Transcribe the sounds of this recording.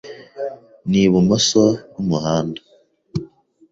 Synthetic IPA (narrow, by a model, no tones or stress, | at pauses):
niβumosoβumuhaːnda